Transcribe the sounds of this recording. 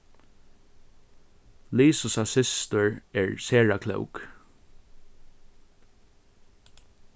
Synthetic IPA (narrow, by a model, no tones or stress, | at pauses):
liːsʊsasɪst̪əɹɛɹseːɹakʰlœ̰wk